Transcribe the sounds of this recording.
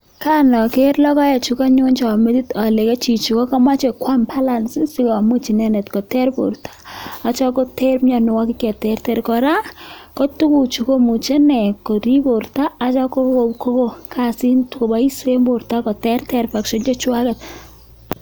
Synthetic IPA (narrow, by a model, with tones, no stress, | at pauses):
ka˦nɔ˨ke˦rlɔ˦kɔ˦jɛ˨t͡ʃu˨˦ka˦ɲo˦nt͡ʃɔ˨me˦ti˦ta˨le˨ke˦t͡ʃi˨t͡ʃu˨ko˦ka˦ma˦t͡ʃe˨kwa˦mpʰa˦la˨nsi˦si˦kɔ˨mu˦t͡ʃi˨nɛ˦nɛ˨tko˨tɛ˦ɾpo̰˨ɾtʰḁ˦a˨t͡ʃɔ˦ko˦tɛ˦ɾɲa˨nʊ˨wɔ˦kɪ˦kɛ˨tɛ˨rtɛ˨ɾkɔ˨ɾa˦ko˦tu˦ku˨t͡ʃu˨ko˦mu˨t͡ʃe˦nɛ˨ko˨ɾi˦po˨ɾta˦a˨t͡ʃɔ˦ko˦ko˨pko˦ko˦kʰa˨si˦ntko˨ba˦i˦se˦mbo˨ɾta˦kɔ˨tɛ˦rtɛ˦˨ɾpa˨kʃɔ˦nt͡ʃɔ˦t͡ʃwa˦kɛ˨t̚